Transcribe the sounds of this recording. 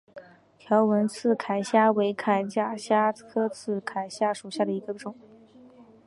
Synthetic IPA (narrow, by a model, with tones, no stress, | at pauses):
t̪ʰjɑ˧˥ʊwə˧˥nt͡sʰɹ̩˥˩kʰa˨˩ɪɕja˥we˧˥ɪkʰa˨˩ɪt͡ɕja˥ɕja˥kʰɤ˥t͡sʰɹ̩˥˩kʰa˨˩ɪɕja˥ʂu˨˩ɕja˥˩d̪ə˩i˧˥ɡə˧ʈ͡ʂʊ˨˩˦